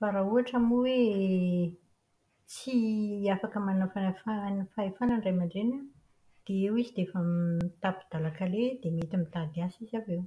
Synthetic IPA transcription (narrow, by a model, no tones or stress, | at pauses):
faɾauaʈ͡ʂamuwe | t͡siafakəmannafanafanafaefanaɳɖ͡ʐajmaɳɖ͡ʐena | d̪̥eewizid̪efəmt̪apid̪̥alakaled̪emet̪imit̪ad̪iasizavew